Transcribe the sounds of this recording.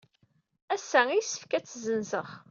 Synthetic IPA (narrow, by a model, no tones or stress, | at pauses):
æsːæijsə̥fkæt͡sːzənzəχ